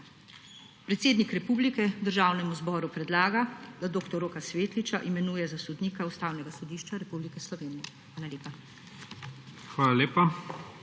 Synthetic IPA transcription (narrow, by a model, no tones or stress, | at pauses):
pɾɛt̪seːd̪nikɾɛpuːblikɛd̪əɾʒaːwnɛmuzbɔːɾupɾɛd̪laːɡad̪ad̪oːkt̪ɔɾoːkasʋeːt̪lit͡ʃaʔimɛnuːjɛzasɔd̪niːkaust̪aːwnɛɡasɔd̪iːʃt͡ʃaɾɛpublikɛslɔʋeːnijɛxʋaːlaleːpa | xʋaːlaleːpa